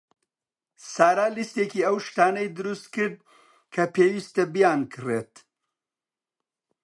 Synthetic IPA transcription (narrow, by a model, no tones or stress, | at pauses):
saːɾaːlist̪eːkiːɐwʃt̪aːnɐjd̪ɨɾust̪kɨɾd̪̚ | kʰɐpʰeːwist̪ɐbijaːnkʰɨret̪